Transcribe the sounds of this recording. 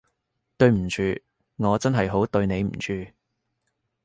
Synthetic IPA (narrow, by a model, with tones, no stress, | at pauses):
t̪ɵ˧ɥm̩˨˩t͡ʃʰyː˧ | ŋɔː˨˧t͡sɐ˥nɦɐ˨jɦo˨˥wt̪ɵ˧ɥne˨˧jm̩˨˩t͡ʃʰyː˧